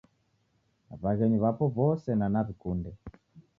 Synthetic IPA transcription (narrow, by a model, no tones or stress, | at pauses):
βaɣɛɲuβapɔvɔsɛnanaβikundɛ